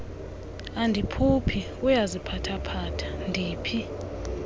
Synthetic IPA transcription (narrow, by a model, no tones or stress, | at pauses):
andʱipʰupʰi | ujazipʰatʰapʰaːtʰḁndʱiːpʰi